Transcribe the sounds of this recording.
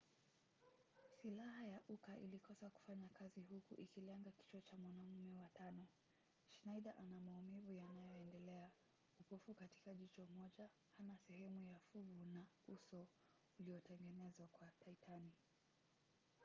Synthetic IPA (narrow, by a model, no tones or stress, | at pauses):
silaɦajaʔukaʔḭlikɔsaku̥faɲakʰaziɦukuʔikilɛŋɡaki̥t͡ʃɔt͡ʃamwanam̩mɛwatʰanɔ | ʃnajɗaʔanamaumɛvujanajɔɛndɛlɛa | upɔfukati̥kaʄit͡ʃɔmɔʄa | hanasɛhɛmujafuɡuna | usɔ | uliɔtɛŋɡɛnɛzwakwatʰaitʰani